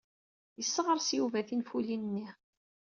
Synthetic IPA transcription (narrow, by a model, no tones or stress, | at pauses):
jəsːəʁəɾˤsjuvæθinfulinnːi